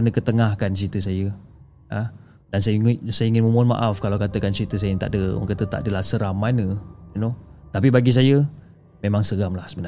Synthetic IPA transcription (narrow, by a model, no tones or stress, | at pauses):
nəkət̪əŋahkansit̪usajə | a | dansasajəiŋɪnməmʊnma̰ʔafkalawkat̪əkansit̪əs̬ajət̪a̰ʔdəɔ̰ŋkat̪ət̪a̰ʔdəlahsəɾamanəjinot̪ap̬ibaɡis̬ajə | memaŋsəɡamlahsəbəna